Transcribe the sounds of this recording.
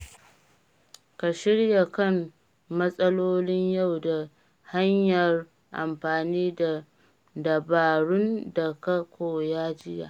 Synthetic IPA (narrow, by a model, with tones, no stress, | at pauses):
ka˨ʃɪ˦ɽja˨kɐ˦˨m | mɐ˦sʼɐ˦loː˦lɪ˦ɲja˦˨wda˨ | ha˦ɲjɐ˨r | ʔa̰˨mɸaː˨niː˦da˨ | dɐ˨baː˨ɽʊ˦nda˨kɐ˦kʷoː˨jaː˦d͡ʒɪ˦ja̰ː˨ʔ